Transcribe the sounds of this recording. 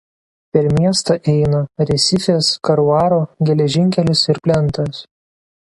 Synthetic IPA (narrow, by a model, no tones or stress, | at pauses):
pʲɛɾmʲiɛst̪ɐʔɛɪnɐɾʲɛsʲɪfʲeːskɐɾʊɑːɾoːɡʲɛlʲɛʒʲɪŋʲkʲɛlʲɪsɪɾpʲlʲɛnˑt̪ɐs